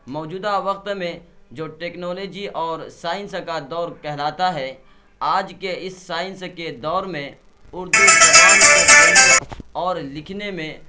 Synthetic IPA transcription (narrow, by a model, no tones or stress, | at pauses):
mɔːd͡ʒuːd̪aʋɐq̚t̪mẽd͡ʒoːʈeːknɔːlɔːd͡ʒiʔɔːɾsaːɪ̃nskad̪ɔːɾkɛɦlaːt̪aɦɛː | aːd͡ʒkeɪsːaːɪ̃nsked̪ɔːɾmẽ | ʊɾd̪uaːesaːɪnsɔːɾlɪkʰnemẽ